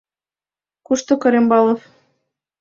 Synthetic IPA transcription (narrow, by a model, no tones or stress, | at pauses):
kuʃt̪ŏkɤ̆ɾʲembɑlˠɤ̆f